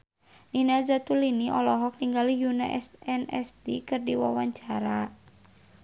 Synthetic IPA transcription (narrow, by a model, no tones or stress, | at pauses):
ninad͡ʒat̪uliniʔɔlɔɦɔk̚niŋɡalijuna̰ʔɛsɛnɛ̰st̪ikɨrdiwawaɲt͡ʃaɾa